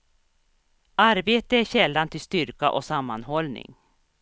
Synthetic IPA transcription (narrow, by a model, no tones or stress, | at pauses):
ʔaɾbeːt̪əæɕɛlːant̪ʰɪst̪ʏɾkaʔɔsamːanɦɔlnɪ̰ŋ